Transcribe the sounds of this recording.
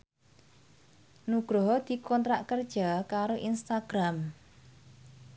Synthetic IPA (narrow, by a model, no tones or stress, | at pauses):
nuɡ̥ɾoɦd̪̥i̤kɔnt̪ɾaʔkərd̥ʒ̥akaɾoʔinst̪aɡ̥ɾam